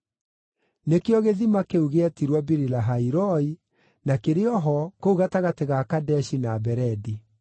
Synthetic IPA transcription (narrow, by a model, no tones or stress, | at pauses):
nekeɔɣeðimakeuɣeatiɾwabiɾilaɦaiɾɔi | nakeɾeɔɦɔkouɣataɣateɣakadɛʃinabɛɾɛdi